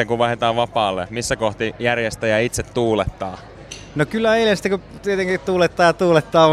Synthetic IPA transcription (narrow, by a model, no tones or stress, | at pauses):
eŋkuʋʋɑhet̪ɑːʋʋɑpɑːlːemisːækoht̪ijærjest̪æjɑit̪set̪ːuːlet̪ːɑː | nokylːæeilensi̥t̪ːˑekut̪iet̪eŋkitt̪uːlet̪ːɑːjɑt̪uːlet̪ːɑː